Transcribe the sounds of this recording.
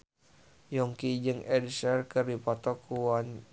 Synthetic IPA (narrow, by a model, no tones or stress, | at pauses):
jɔŋkid͡ʒɨŋɛdisɛrkɨrdipɔt̪ɔkuan